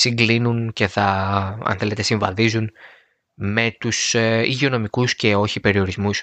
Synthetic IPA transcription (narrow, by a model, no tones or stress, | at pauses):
siŋɡlinunce̞θɐɐ̰nθe̞le̞t̪e̞siɱvɐðizun | me̞t̪usiʝio̞no̞mikusce̞o̞çipe̞ɾio̞ɾizmus